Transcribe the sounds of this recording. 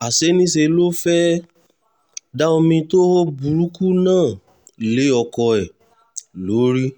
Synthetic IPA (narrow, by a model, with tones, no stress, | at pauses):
a˨se˨˦nĩ˦se˧lo˦fɛ˦ | da˦o˧mĩ˧to˦o˦bu˨˦ɾu˨˦ku˦nãː˦˨ | le˨˦ɔ˧˨kɔ˧ɛ˨ | lo˨˦ɾi˦